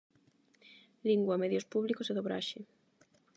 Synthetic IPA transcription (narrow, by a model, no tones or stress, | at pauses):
liŋɡwameðjospuβlikoseðoβɾa̰ʃe